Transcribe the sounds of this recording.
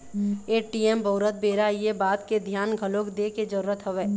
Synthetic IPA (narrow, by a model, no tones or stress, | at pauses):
eːʈiemboːɾət̪̚beːɾaijebaːt̪ked̪ʱjaːnɡʱəloːkd̪eked͡ʒəɾuːɾət̪ɦəʋeː